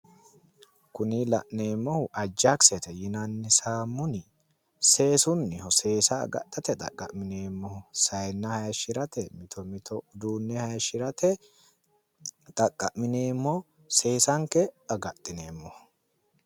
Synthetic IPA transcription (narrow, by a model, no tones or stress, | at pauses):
kʊnilɐ̰ʔne̞ːmːɔhʊʔɐd͡ʒːɐksɛt̪ɛjɪnɐnːɪsaːmːʊnɪ | se̞ːsʊnːɪhɔse̞ːsɐ̰ːɡɐ̰t̪ʼːɐt̪ɛt̪ʼɐ̰kʼːɐʔmɪne̞ːmːɔhʊsɐjnːɐhɐjɐʃɪɾɐt̪ɛmɪt̪ɔmɪt̪ʰɔʊd̪uːnːɛhɐjɐʃɪɾɐt̪ɛ | t̪ʼɐkʼːɐʔmɪne̞ːmːɔ | se̞ːsɐŋkɛɐɡɐt̪ʼːɪne̞ːmːɔhʊ̥